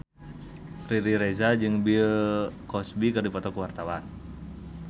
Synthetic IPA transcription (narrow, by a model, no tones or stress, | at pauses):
riɾiɾezad͡ʒɨŋbikɔsbikɨrdipɔt̪ɔkəwart̪awan